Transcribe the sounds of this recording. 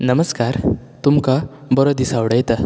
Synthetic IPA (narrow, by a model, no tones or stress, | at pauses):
nəməskaɾ | t̪umka | bɔɾɔd̪isaʋɽəjt̪a